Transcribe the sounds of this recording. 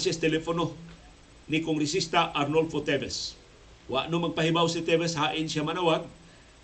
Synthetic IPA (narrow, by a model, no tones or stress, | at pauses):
sjast̪elefono | nikoŋɡɾes̬ist̪aʔarnolfot̪ebes | wa̰ʔnomaɡ̚paɦibawsit̪eβes̬haʔɪnsiamanawaŋ